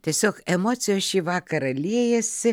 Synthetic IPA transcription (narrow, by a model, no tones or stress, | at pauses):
t̪ʲiɛsʲoːkɛmoːt̪sʲɪjoːsʃʲiːʋɑːkɐɾɐlʲiɛjɛsʲɪ